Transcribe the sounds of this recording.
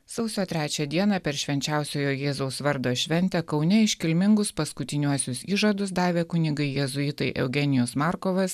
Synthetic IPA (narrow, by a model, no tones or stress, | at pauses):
sɐʊsʲoːt̪ʲɾʲæːt͡ʃʲɛd̪ʲiɛnɑːpʲɛɾʃʲʋʲɛnʲt͡ʃʲæˑʊsʲoːjoːjeːzoʊsʋɐɾd̪oːʃʲʋʲɛnʲt̪ʲɛkɒʊnʲɛɪʃʲkʲɪlʲmʲɪŋɡʊspɐskʊt̪ʲɪnʲuɔsʲʊsiːʒɐd̪ʊs̬d̪ɑːʋʲeːkʊnʲɪɡɐɪjɛzʊiːt̪ɐɪʔɛ̰ʊɡʲɛnʲɪjosmɑːɾkoːʋɐs